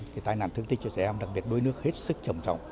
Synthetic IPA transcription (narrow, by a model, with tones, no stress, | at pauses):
vi˨˩t̪aː˧jna̰ː˧˨nt̪ɨ˧əŋt̪i˧nt͡ɕɔ˧t͡ɕɛ̰˧˩ʔɛ˧ŋ͡mɗa˨˩k̚ɓi˨˩ət̚ɗu˧jnɨ˦˥ək̚he˦˥t̚sɨ˦˥k̚t͡ɕə˨˩wŋ͡mt͡ɕɔ̰˧˨wŋ͡m